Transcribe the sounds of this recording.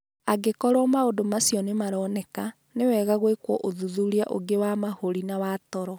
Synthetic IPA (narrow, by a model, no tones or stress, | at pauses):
aɡekɔɾwɔmaodomasjɔnemaɾɔːnɛka | newɛːɣaɣwekwɔʔoðuðuɾia̰ʔo̰ɡewamahoɾinawatɔɾɔ